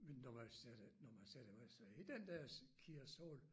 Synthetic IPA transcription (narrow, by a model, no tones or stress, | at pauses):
menːɒʋɑsæd̥nɒmænsæd̥əʋɑsɑid̥end̥æɐskʰiɐsoːl